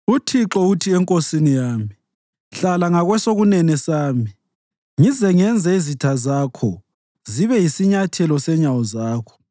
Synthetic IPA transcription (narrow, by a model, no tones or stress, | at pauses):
utʰiǁɔutʰiɛŋkʼosinijaːmi | ɬalaŋaɣwɛsoɣunɛnɛsaːmi | ŋizɛŋɛnd͡zʱɛizitʰazakʰɔ | ziβɛjisiɲatʰɛlɔsɛɲawɔzaːkʰɔ̥